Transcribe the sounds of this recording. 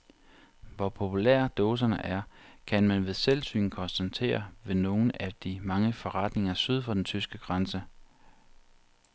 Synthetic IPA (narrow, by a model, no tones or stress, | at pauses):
ʋɒpʰo̝pʰulḛɐ̰d̥ɔːs̬ɐnəʔæɐkʰænmænʋe̝ðˠselsy̰ːn̩kʰɒ̽nsd̥ænt͡sʰe̝̰ːɐʋe̝no̝ːn̩æd̥imɑ̈ŋəfɒ̽ʁɑ̈d̥ne̝ŋɐsyð̞ˠfɒ̽d̥ent͡sʰysɡ̥əɡ̥ʁɑnsə